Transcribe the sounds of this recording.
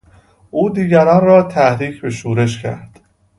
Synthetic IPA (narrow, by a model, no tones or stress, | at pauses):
ʔuːd̪iːɟæɾɒːnrɒːt̪ʰæhɾiːcʰbe̞ʃuːɾe̞ʃcʰæ̰ɾd̪̥